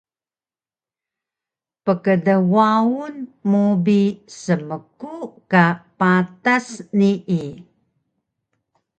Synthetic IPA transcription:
pəkədəwaunmubisəməkukapatasniʔi

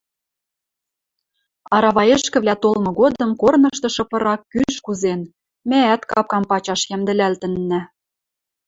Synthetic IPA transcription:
ɑɾɑβɑjĕʃkɘ̆βlæt̪olmɤ̆ɣod̪ɤ̆mkornɤ̆ʃt̪ɤ̆ʃɤ̆pɤ̆ɾɑkːyʃkuzen | mææt̪kɑp̚kɑmpɑt͡ɕɑʃjæmd̪ɘ̆lælt̪ɘ̆nːɘ̆

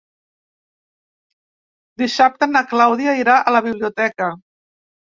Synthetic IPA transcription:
d̪isap̚t̪ənəklawðiəiɾaʔələβ̞iβ̞liut̪ɛkə

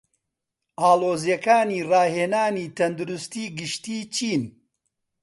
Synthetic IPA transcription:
ʔaːloːzjɐkaːniːrɑːheːnaːniːt̪ʰɐnd̪uɾʊst̪iːɡɨʃt̪iːt͡ʃʰiːn

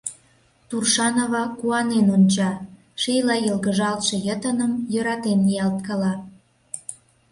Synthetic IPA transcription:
t̪urʃɑnoβɑkuɑnenonʲt͡ɕɑ | ʃejlɑilɣəʒɑlt̪ʃĕjət̪ənəmjəɾɑt̪enːijɑlt̪̚kɑlɑ

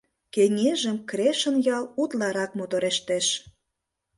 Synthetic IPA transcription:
kenʲeʒə̆mkreʃə̆njɑlut̪lɑɾɑk̚mot̪oɾeʃt̪eʃ

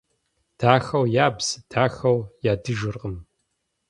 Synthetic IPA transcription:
d̥ʰaːxɐwjaːbz̥ɨd̥ʰaːxɐwjaːdɨʒɪrqəm

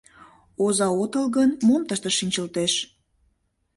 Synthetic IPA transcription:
ozɑot̪əlɣənmomt̪əʃt̪əʃinʲt͡ɕəlt̪eʃ

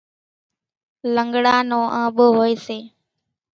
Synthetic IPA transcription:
ləŋɡɽaːnõːʔə̃ːɓʊɦoːeːseː

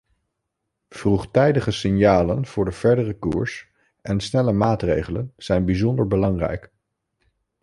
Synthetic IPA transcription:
v̥ruχtɛjdəχəsɪnjaːlənv̥ʊːɹdəv̥ɛɹdərəkṵːɹs | ʔɛnsnɛləmaːtrḛjχələnz̥ɛjnbizɔndəɹbəlɑŋrɛ̰jk

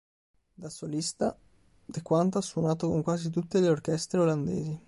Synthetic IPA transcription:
d̪asolist̪a | d̪ekwant̪̬asːwonaːt̪okoŋkwaːzit̪̬ut̪ːeleorkɛst̪ɾeoland̪ḛːzi

